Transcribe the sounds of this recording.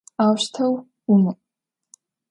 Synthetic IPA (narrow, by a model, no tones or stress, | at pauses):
awʃtʰɐw | umɨ